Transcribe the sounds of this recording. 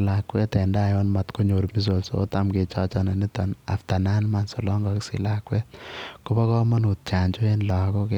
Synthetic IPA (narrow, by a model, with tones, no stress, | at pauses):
lakwɛ˦tɛ˨nda˦˨jɔ˦nma˨t̪ko˦ɲo˨ɾmi˦s̬o˨lso̰ta˦mke˨t͡ʃɔ˦t͡ʃɔ˦na˨ni˦t̪ɔ˨na̰˨ft̪a˨na˦nma˨nso˨lɔ˦ŋɡɔ˨ki˦sɪ̰˨lakwɛ˦kobɔ˦kɔ˦ma˦nu˨t̚t͡ʃa˨ɲd͡ʒo˦e˦nlɔ˨kɔ˦ke